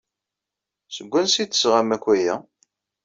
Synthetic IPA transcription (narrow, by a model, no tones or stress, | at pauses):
səɡʷːænsit̪ːə̥sʁæmækʷːæjæ